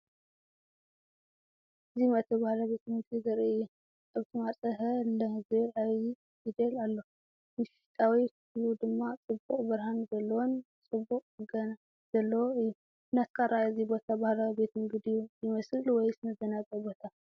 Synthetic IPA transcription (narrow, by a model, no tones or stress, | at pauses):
ɨzimɐt̪ʰɐbahlaβe̞t̪ʰɨmɨɡdiɡɐɾiɨjːɛ | aβt̪ʰimaɾt͡sʼɐɦɐlɐhzɨɾaji | jid̪ɐlalːo | mɨʃi̥t̪ʼawik | lud̪ɨmːat͡sʼɨbuqʼbɨɾhanzɐlːɐwont͡sʼɨbuqʼɨɡɐna | z̥ɐlːɐwoɨjːu | nat̪kʰaɾaʔɨzibo̞t̪ʰabahlawibe̞t̪ʰɨmɡɨd̪ijujɪmɐsɨlwɔjsɨnɐzɐnazʼɐbo̞t̪ʰa